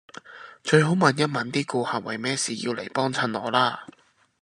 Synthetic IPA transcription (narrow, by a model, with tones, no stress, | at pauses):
t͡ʃɵ˧ɥɦo˨˥wmɐ˨˩njɐ˥n̚mɐ˨˧nt̪iː˥kuː˧haː˨wɐ̰˨˩jmɛː˥siː˨˩jḭ˧wlḛ˨˩jpɔː˥ŋt͡sʰɐ˧nlɔ̰ː˨˩laː˥